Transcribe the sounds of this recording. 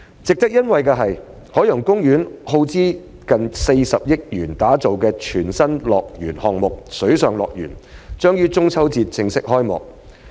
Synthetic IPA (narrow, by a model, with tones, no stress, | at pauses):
t͡sɪ˨k̚t̪ɐ˥k̚jɐ˥nwɐ˨jkɛː˧ɦɐ˨j | hɔː˨˥jɐ˨˩ŋkʊ˥ŋjyː˨˥nho˧wt͡siː˥ | kɐ˨nse˧jsɐ˨p̚jɪ˥k̚jyː˨˩nt̪aː˨˥t͡so˨wkɛː˧t͡ʃʰyː˨˩nsɐ˥nlɔː˨k̚jyː˨˩nhɔː˨ŋmʊ˨k̚sɵ˨˥ɥsœː˨ŋlɔ̰ː˨k̚jy̰ː˨˩nt͡ʃœː˥ŋjyː˥t͡sʊ˥ŋt͡sʰɐ˥wt͡siː˧t̚t͡sɪ˧ŋsɪ˥k̚hɔː˥jmɔ̰ː˨k̚